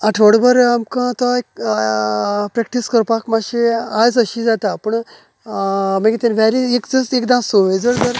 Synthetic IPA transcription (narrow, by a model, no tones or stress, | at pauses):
aʈʰʋəɽbəɾamkãt̪ɔek | pɾɛk̚ʈiskəɾpakmaɕiad͡zəɕid͡zat̪apəɳ | maɡʲit̪ɛ̃nʋaɾiekd͡zəsekd̪ãsoʋed͡zəɾd̪əɾ